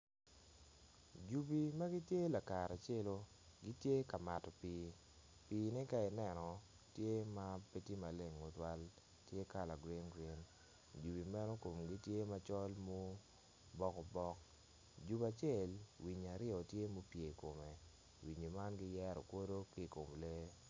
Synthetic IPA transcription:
d͡ʒu˨bi˨ma˦ɡɪ˦tje˦la˨ka˨ɾa˨t͡ʃe˦lo˦ | ɡi˦tje˦ka˨ma˨tɔ˨pi˦ | piː˦nɪ˦ka˦ɪ˨nɛ˦nɔ˨ | tje˦ma˦pe˦ti˦ma˨le˨ŋːo˨twa˦l | tje˦ka˨la˨ɡɾi˦nɡɾe˦n | d͡ʒu˨bi˨mɛ˦nɔ˦ko˨mɡi˦tje˦ma˦t͡ʃɔ˦lmo˦ | bɔ˦kɔ˨bɔ˦k | d͡ʒu˨ba˨t͡ʃɛ˦˨lwi˨ɲa˨ɾɪ˦ɔ˨tje˦mo˦pje˨ko˨me˨ | wi˨ɲo˨ma˦nɡɪ˦jɛ˦ɾɔ̰˨ko˦do˦ki˦˨ko˨mle˦

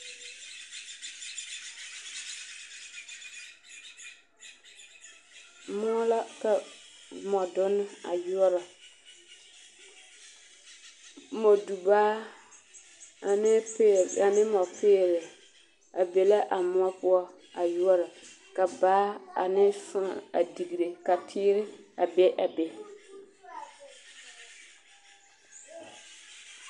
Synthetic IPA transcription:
mʊ˦ɔ˦la˦ka˨mɔ˨dʊ˦nːɪ˦a̰˨jʊ˦ɔ˦ɾɪ˨ | mɔ˨du˨baː˦˨ | nɪ˦a˨nɪ˦mɔ˨pɪː˦˨ɾɪ˨ | a˨be˨la˦ʔa˨mʊ˦ɔ˦pʊ˦ɔ˦ | a˨jʊ˦ɔ˦ɾɔ˨ | ka˨baː˦a̰˨nɪ˦sʊ˦˨a˨di˨ɡi˨ɾe˨ka˨tʰiː˦ɾɪ˦a˨be˦ʔa˨be˨

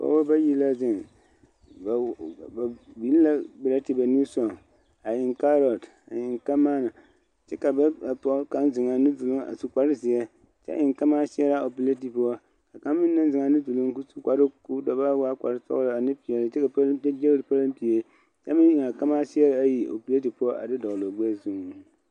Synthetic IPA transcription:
ba̰˦wo˦ba˦ji˦la˦zɪ˨ŋ˨ | ba˨bi˨˦lla˦bɪ˨la˦ti˨ba˨nu˦sɔ˨ŋ | a˨jɪ˨ŋka˦ɾɔ˨t | a̰˨jɪ˨ŋka˦maː˦na˨ | t͡ʃɛ˦ka˨ba˦a˨pɔ˦ka˦nzɪ˨ŋa˨nɨ˦du˨lu˦ŋa̰˨su˨ka˨ɾɨ˦zɪ˨jɛ˦ | t͡ʃɛ̰˦ʔɪ˨ŋka˦ma˦sɪ˦ɛ˦la˨o˨pi˨le˦ti˨pu˦ɔ˦ | ka˨ka˦mːɪ˦nː˦ɨ˦n˦zɨ˨ŋa˨nɨ˦du˨lʊ˦ŋku˦su̥˨˦ka˨ɾɨ˦ku˦dɔ˨ba˦wa˦ka̰˨ɾɨ˦sɔ̰˦ɣlɨ˨a˨nɨ˦pi˨ɛ˨lɨ˦t͡ʃɛ˦ka˨pa˦d͡ʒɛ˦ɣɾɨ˨pa˦lɨ˦m˦pi˨e˨˦ | t͡ʃɛ̰˦mɨ˦ɪ˨ŋa˨ka˦maː˦sɪ˦ɛ˦ɾa˨˦a˦ji˨o̰˨pi˨le˦ti˨pʊ˦ɔ˦ʔa̰˨dɪ˦dɔ˨lo˨ɡ͡bɛ˦zu˦ŋ˨

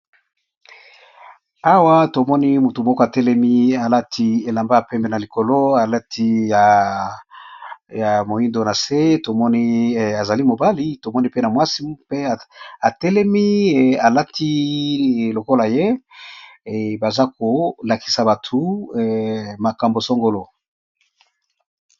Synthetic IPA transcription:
a˦wa˦to˨mɔ˦ni˦mu˨tu˨mɔ˦kɔ˦a˨tɛ˦lɛ˦mi˦a˨la˦tʰi˦e˨la˨mba˦a˨pɛ˦mbe˨na˨li˨ko˨lo˦a˨la˦tʰi˦ja˨ | ja˨mo˨ji˦ndo˨˦na˨se˦to˨mɔ˦ni˦˨a˨za˨li˦mo˨ba˦li˦to˨mɔ˦ni˦pe˦na˨mwa˦si˦pe˦˨a˨tɛ˦lɛ˦mi˦˨a˨la˦tʰi˦˨ | lo˨ko˦la˨je˦˨ | ba˨za˦ko˨la˨ki̥˨sa˨ba˨tʰu˦˨ | ma˨ka˨mbo˨so˦ŋɡo˦lo˦

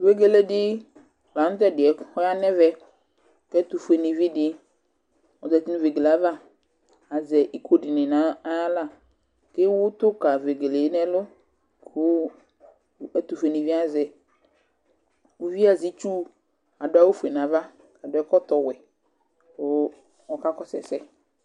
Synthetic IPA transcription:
ve˦ɡe˦le˦dɪ˦˨ | la˨nʊ̃˦t̪̬ɛ˦˨dɪ˨ɛ˨hɔ˦a˦nɛ̃˦vɛ˦ | kɛ˦t̪u˨fe˨nĩ˨vi˦dɪ˦ | ɔ˨dɛ˨ti˦nʊ̃˦ve˨ɡe˨la˨˦va˦ | a˨zɛ˨ʔi˦kʰo˦dɪ˨nɪ̃˨nã˨˦la˦˨ | ke˦wʊ˦t̪ʊ˦ka˨ve˨ɡe˨le˨˦nɛ˦lʊ˦ | kʰʊ˦ | ɛ˦t̪u˨fe˨nĩ˨vi˦a˨zɛ˨ | wo˦vi˦a˨zi˦t͡ʃu˦ | a˨dʊ˦a˦wo˦fe˨n˨ã˨va˦ | a˨dʊ˨ɛ˨˦kɔ˦t̪ɔ˨wɛ˨ | ʊ˨˦ | ɔ˨ka˦kɔ˦sɛ̰˨sɛ˦

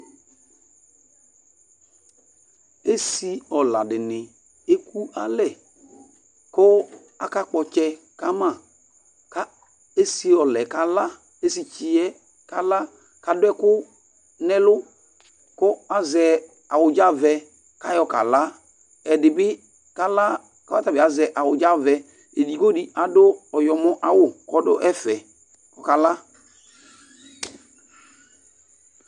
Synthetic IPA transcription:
e˦si˦ɔ˨la˨dɪ˨nɪ˨ | e˦ku˦a˦lɛ˨ | kʊ˦ | a˦ka˦k͡pɔ˨t͡ʃɛ˦ | ka˦ma˨ | ka˦ | e˦si˦ɔ˨lɛ˨ka˨la˦ | e˦si˨t͡ʃɪ˨ɛ˦ | ka˨la˦ | ka˨dʊ˦ɛ˦kʊ˦ | nɛ˦lʊ˦ | kɔ˦a˦zɛ˨ | a˨wʊ˨d͡ʒa˦vɛ˨ | ka˦jɔ˨ka̰˨la˦ | ɛ˨dɪ˨bɪ˦ | ka˦la˦ | ka˨˦wa˦ta˨bɪ˨a˨zɛ˨ʔa˨wʊ˨d͡ʒa˦vɛ˨ | e˨di˨ko˦di˨a˨dʊ˦ɔ˨jɔ˨mʊ˦ʔa˨wʊ˦kɔ˦dʊ˦ʔɛ˦fɛ˨ | kɔ˨ka˨la˦

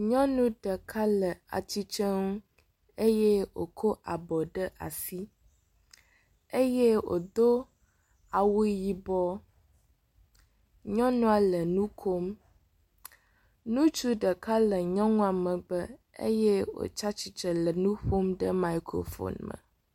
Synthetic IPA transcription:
ɲɔ̃˦nũ˦ɖə˨kʰa˦lə˨a̰˨t͡ɕi˦t͡ʃə˦ŋũ˦ | e˦jɛ˦wo̰˨kʰo˦ʔa˨bɔ˨ɖə˦ʔa̰˨si˦ | e˦je˦wo̰˨d̪o˦ | a˨wu˦ji˨bɔ˦ | ɲɔ̃˦nũ˦a˨lə˨nũ˦kʰo˦m | nũ˦t͡ʃu˦ɖə˨ka˦lə˨ɲɔ̃˦ŋũ˦a˨mə̃˨ɡ͡bə˦ | ḛ˦jɛ˦wo̰˨t͡ʃa˦t͡ɕi˨t͡ʃə˨lə˨nũ˦ɸo˦mɖə˦ma˨i˦kʰɾo̰˨fo̰˨nmə̰̃˨

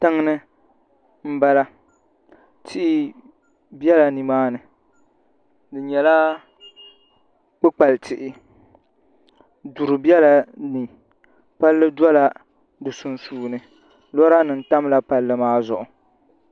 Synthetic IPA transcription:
tɨ˦ŋnɨ˦ | m̩˦ba˦la˦ | tʰɪ˦ʔɪ˦ | bɛ˦la˨ni˨maː˦nɨ˨ | dɨ˨ɲɛ˨la˦ | k͡pɨ˦k͡pa˨ltʰɪ˨ʔɪ˦ | du˨ɾɨ˨bi˦ɛ˦la˨ni˨ | pa˦lːɨ˦dwɔ˦la˦ | dɨ˨su˨nsuː˨nɨ˨ | lɔ˦ɾa˦nɨ˨n̩˨ta˦m˦la˦pa˦lːɨ˦maː˦zʊ˨ʔʊ˨

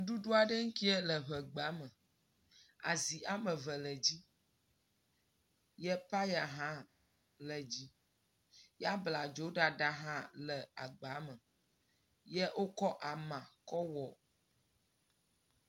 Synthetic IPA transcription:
u˦ɖu˦ɖo˦a˨ɖə˦ŋ̩˦ki˦ɛ˦lə˨βə˨ɡ͡ba˨˦mə˨ | a̰˨zi˨ʔa˦mə̃˨və˨lə˨d͡ʑi˦ | jɛ˦pa˦ja˨ɦã˦ | lə˨d͡ʑi˦ | ja˦bla˨d͡ʒo˨˦ɖa˨ɖa˦ɦã˦lə˨a˨ɡ͡ba˨˦mə˨ | jɛ˦ʔo˦kɔ˦ʔa˨mã˨kɔ˦wɔ˨

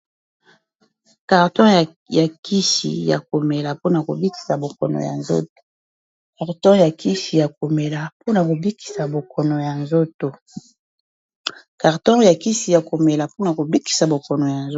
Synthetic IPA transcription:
ka˨ʁtɔ̃˦˨ | ja˨ki˦ʃḭ˨ja̰˨ko˨me˨la˨po˦na˨ko̰˨bi˦ki̥˨sa˨bo˨kɔ̰˨no̰˨ja̰˨nzo̰˦t̚o̥˨ | ka˨ʁtɔ̃˦ja˨ki˦ʃi˨ja˨k̚o˨me˨la˨po˦na˨ko˨bi˦ki̥˨sa˨bo˨kʰɔ˨no˨ja˨nzo˦to˨ | ka˨ʁtɔ̃˦ja˨ki˦si˨ja˨ko˨me˨la˨po˦na˨ko˨bi˦ki̥˨sa˨bo˨kɔ˨no˨ja˨nz

